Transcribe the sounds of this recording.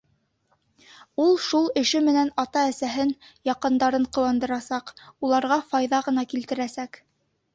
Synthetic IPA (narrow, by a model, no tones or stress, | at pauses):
ulˠʃulˠɘ̆ʃɘmɘ̆nænɑt̪ɑæsæɦɘnjɑqɤ̆nd̪ɑɾɤɴqɤ̆wɑnd̪ɤ̆ɾɑsɑqulˠɑɾʁɑfɑjðɑʁɤ̆nɑkilt̪ɘ̆ɾæsæk